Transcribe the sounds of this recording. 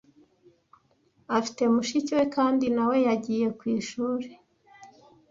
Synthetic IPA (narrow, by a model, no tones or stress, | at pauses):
afi̥te̞muʃicwe̞kaːndinawe̞jaɟiːje̞kwiːʃuːɾe